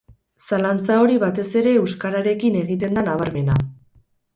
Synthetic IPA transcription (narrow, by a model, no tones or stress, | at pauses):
salant͡sao̞ɾiβat̪e̞se̞ɾe̞ewskaɾaɾe̞kine̞ɣit̪̬e̞nd̪anaβ̞aɾme̞na